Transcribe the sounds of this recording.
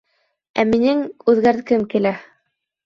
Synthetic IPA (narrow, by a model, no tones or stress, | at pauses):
æ̰minɘŋʉðɡæɾtkɘmkilæ